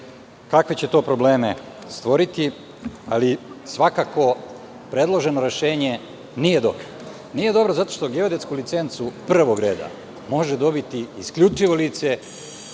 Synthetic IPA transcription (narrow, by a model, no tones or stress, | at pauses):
kakʋet͡ɕe̞t̪o̞ːpɾo̞ble̞ːme | st̪ʋo̞ɾit̪i | a̰lisʋakako̞ | pɾe̞d̪lˠo̞ʒe̞no̞ɾe̞ʃe̞ːɲe̞ | nije̞d̪o̞̰bɾo | niːje̞d̪o̞bɾozat̪o̞ʃt̪o̞ɡeod̪et̪skulit̪se̞nt̪supr̩ʋo̞ɡɾe̞ːd̪a̰ | mo̞ʒed̪o̞bit̪iːskʎut͡ʃiʋo̞liːt̪se